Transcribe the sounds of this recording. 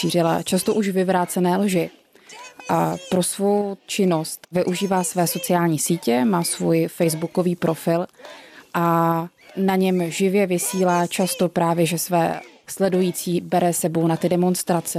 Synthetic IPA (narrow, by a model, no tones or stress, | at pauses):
ʃiːrɪla̰t͡ʃast̪o̞ʔuʃvɪvɾaːt͡sɛnɛːlʒɪ | ʔapɾo̞svo̞wt͡ʃɪno̞st̪vɪʔuʒiːvaːsvɛːso̞t͡sɪaːlɲiːsiːcɛmaːsvujfɛjzbuko̞viːpɾo̞fɪlʔa | naɲɛmʒɪvjɛvɪsiːlaːt͡ʃast̪o̞pɾaːvjɛʒɛsvɛ̰ːslɛdujiːt͡siːbɛɾɛsɛbo̞wnat̪ɪdɛmo̞nst̪ɾat͡sɛ